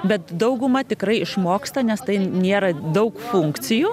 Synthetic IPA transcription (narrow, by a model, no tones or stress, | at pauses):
bʲɛt̪d̪ɐʊɡʊmɐt̪ʲɪkɾɐɪɪʃmoːkst̪ɐnʲɛst̪ɐɪnʲeːɾɐd̪ɐʊkfuŋkt̪t͡s̪ʲɪju